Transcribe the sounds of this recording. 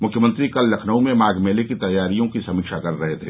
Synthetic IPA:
mʊkʰjəmə̃nt̪ɾikɐlːɐkʰnəũmẽmaːɡmeːlekit̪ɐjːaːɾijõkisɐmiːkʃakɐɾːɐɦet̪ʰe

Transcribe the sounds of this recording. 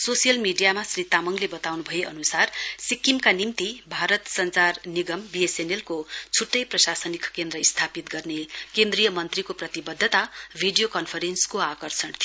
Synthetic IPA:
sosijʌlmiɖijamasrit̪amʌŋlebʌt̪awnubʱʌeʔʌ̰nusarsikːimkanimt̪ibʱaɾʌt̪sʌnt͡sarniɡʌmbiesenelkot͡sʰuʈːʌjprʌsasʌnikʰkend̪rʌist̪ʰapit̪ɡʌrnekend̪rijʌmʌnt̪rikoprʌt̪ibʌd̪ʱːət̪abʱiɖijokʌnpʰʌɾenskoakʌrsʌɳt̪ʰi

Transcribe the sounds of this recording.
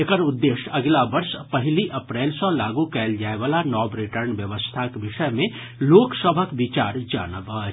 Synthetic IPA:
ekəɾʊd̪ːeːʃəɡlabəɾspəɦɪliʔəpɾɛːlsə̃laːɡukɛːld͡ʒaːeʋaːlanɔːbɾɪʈəɾnʋjəʋəst̪ʰakebɪʃəjmẽ | loːksəbʱəkbit͡ʃaːɾd͡ʒa̰ːnəbə

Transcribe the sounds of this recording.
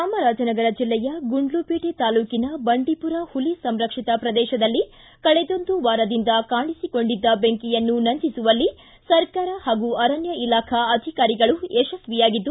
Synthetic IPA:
aːmɐɾaːd͡ʒɐnɐɡɐɾɐd͡ʒilːɛjɐɡuɳɖlupiːʈet̪aːluːkinɐbɐɳɖipuɾɐhulisɐmɾɐkʂit̪ɐpɾɐd̪ɛːʃɐd̪ɐlːi | kɐɭɛd̪o̞nd̪uʋaːɾɐd̪ind̪ɐkaːɳisiko̞ɳɖid̪ːɐbeŋkijɐnːunɐnd̪isuʋɐlːi | sɐɾkaːɾɐhaːɡuɐɾɐnjɐilaːkʰɐɐd̪ʱikaːɾiɡɐɭuɛʃɐsʋijaːɡid̪ːu

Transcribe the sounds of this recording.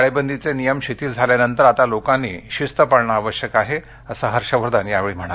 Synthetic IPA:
ɭebənd̪it͡senijəmɕet̪iːld͡zʱaljanənt̪əɾat̪alokãnːḭːɕist̪əpaɭɳaːʋəɕjəkaɦe | əsaɦəɾɕəʋəɾd̪aniːjaʋeɭiːm̤əɽ̃a

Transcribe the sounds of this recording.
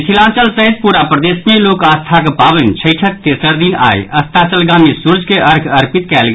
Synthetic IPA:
sʰilãːnt͡ʃəlsəɦit̪̚puɾapɾəd̪esmelokast̪ʰakepabənt͡ʃʰəɪʈʰək̚t̪eːsəɾd̪ina̰j̰əst̪ʰat͡ʃəlɡamisuɾd͡ʒʱkeʔəɾkʰəɾpit̪kɛːlɡ

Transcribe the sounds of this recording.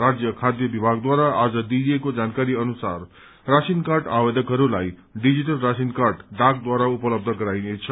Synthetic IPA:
rad͡zjʌkʰad̪jʌbibʱaɡd̪waɾaad͡zʌd̪iekod͡zankaɾiʌnusa̰r | rasinkarɖawed̪ʱʌkɦʌɾulaj | ɖid͡ziʈʌlrasinkarɖɖak̚d̪waɾaupʌlʌb̚d̪ʱʌɡʌɾajnet͡sʰʌ

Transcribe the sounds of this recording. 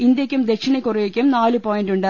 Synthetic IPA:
ind̪jɐkʲːumd̪e̞kʂiɳɐkːurejekʲːumnaːlɨpoːjinɖuɳɖɨ

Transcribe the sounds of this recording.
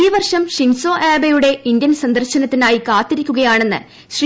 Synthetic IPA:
iːʋɐrʂɐmɕinso̞ːʔeːbɐjuɽe̞ind̪jɐnsɐnd̪ɐrɕɐnɐt̪ːinaːjikaːt̪ːiɾikʲːuɣɐjaːɳe̞nːɨ̰ | ɕr

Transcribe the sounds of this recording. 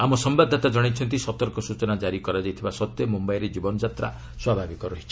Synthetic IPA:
amɔsɔmbad̪ʱːɔt̪ad͡ʒɔɽ̃it͡ʃʰɔnt̪̬isɔt̪ɔɾkɔsut͡ʃɔnad͡ʒaɾikɔɾad͡ʒajt̪ʰibasɔt̪jɔmumbajɾed͡ʒibɔnɔd͡ʒat̪ɾa̰ | swabʱabikɔɾɔɦit͡ʃʰi

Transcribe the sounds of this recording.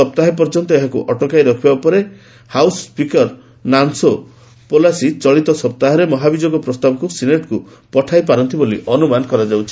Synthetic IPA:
ɔp̚t̪aɦep̬ɔɾd͡ʒɔnt̪ɔeɦakṵʔɔʈɔkajɾɔkʰibaupɔɾe | hawspikɔɾ | nanso | polasit͡ʃɔɭit̪ɔsɔp̚t̪aɦɔɾemɔɦabid͡ʒoɡɔpɾɔst̪abɔkusineʈku | pɔʈʰajpaɾɔnt̪ibolḭʔɔnumanɔkɔɾad͡ʒawt͡ʃʰi̥

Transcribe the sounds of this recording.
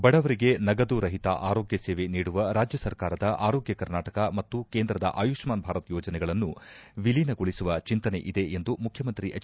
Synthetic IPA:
bɐɽɐʋɐɾiɡe̞nɐɡɐd̪uːɾɐɦit̪a̰ʔaːɾo̞ːɡjɐseːʋe̞niːɽuʋɐɾaːd͡ʒjɐsɐɾkaːɾɐd̪ɐʔaːɾoːɡjɐkɐɾnaːʈɐkɐmɐt̪ːukeːnd̪ɾɐd̪ɐ̰ʔaːjukʂmaːnbʱaːɾɐt̪jɔːd͡ʒɐnɛɡɐɭɐnːuʋilinɐɡoɭisuʋɐt͡ʃint̪ɐne̞̰ʔid̪e̞ʔend̪umukʰjɐmɐnt̪ɾiʔɐ

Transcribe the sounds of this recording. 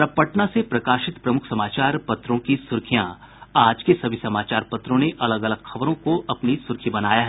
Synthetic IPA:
pɾɐpːəʈnasepɾɐkaːʃɪt̪pɾɐmʊkʰsɐmaːt͡ʃaːɾpɐt̪ɾõkisʊɾkʰijã̰ | aːd͡ʒkesɐbʱisɐmaːt͡ʃaːɾpɐt̪ɾõneʔɐləɡɐləɡxɐʋɾõkoʔɐpnisʊɾkʰibɐnaːjaɦɛ

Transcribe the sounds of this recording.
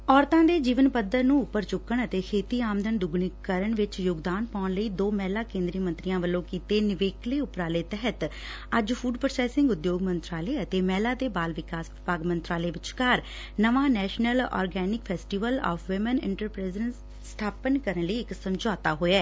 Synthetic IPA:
ɔːɾt̪ãːd̪eːd͡ʒiːʋənpəd̪əɾnũːʊpːəɾt͡ʃʊkːəɳət̪eːkʰeːt̪iːaːmd̪ʱəɳd̪ʊɡɳɪkkːəɾəɳʋɪt͡ʃjoːɡd̪aːnpaːʊɳləiːd̪oːmɛːlaːkẽːnd̪ɾiːmə̃nt̪ɾijãːʋəlːõːkiːt̪eːnɪʋeːkleːʊpɾaːleːt̪ɛɦət̪ | əd͡ʒfʰuːɖpəɾsɛːsɪŋɡʊd̪joːɡmənt̪ɾaːleːət̪eːmɛːlaːd̪eːbaːlʋɪkaːsʋɪpaːɡmənt̪ɾaːleːʋɪt͡ʃkaːɾ | nəʋãːnɛːʃnəlɔ̰ːɾɡɛːnɪkpʰɛːsʈiʋəlɔ̰ːfʰʋɪmənɪ̰̃ɳʈəɾpɾɪzən | st̪ʰaːpənkəɾənləiːɪksəmd͡ʒɔːt̪aːɦoːeɛː

